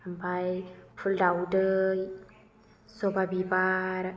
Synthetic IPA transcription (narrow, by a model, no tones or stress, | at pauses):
ambajfʰuldawdəj | sobabibaɾ